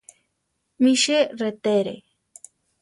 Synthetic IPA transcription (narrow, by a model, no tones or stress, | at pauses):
miʃeret̪eɾḛ